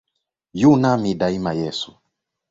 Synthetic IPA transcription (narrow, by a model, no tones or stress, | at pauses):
junamiɗaimajɛsu̥